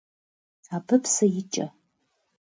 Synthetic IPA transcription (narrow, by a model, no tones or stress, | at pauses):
saːbɨpsɐjɪt͡ʃʼɐ